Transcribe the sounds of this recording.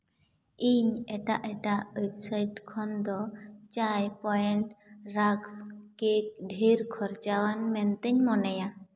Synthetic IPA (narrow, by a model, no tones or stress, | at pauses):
iɲɛʈaʔɛʈawebsajʈkʰɔnd̪ɔt͡ʃajpɔɛɳʈɾakskek̚ɖʱiɾkʰɔɾt͡ʃawanmɛnt̪ɛɲmɔnɛja